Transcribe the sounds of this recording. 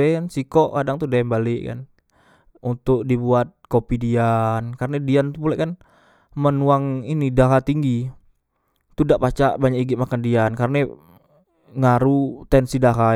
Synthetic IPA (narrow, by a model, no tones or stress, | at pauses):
aansikɔʔkadaŋt̪udaɛmbalɪʔka̰n | unt̪ʊk̚dibuat̪̚kopidiankarnadianupulaʔkan | mənuaŋinidaɦat̪iŋɡi | t̪udaʔpat͡ʃa̰ʔbaɲakiɡɪʔmakandiankarna | ŋaɾut̪ɛnsidaɦa